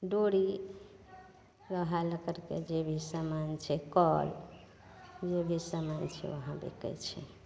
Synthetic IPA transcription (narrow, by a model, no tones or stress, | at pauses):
ɖoɽi | ɾəɦaləkəɾkḛd͡ʒebʱisəmant͡ʃʰɛkɔl | d͡ʒebʱisəmant͡ʃʰɛ̰o̰ɦãbḛkɛ̰t͡ʃʰɛ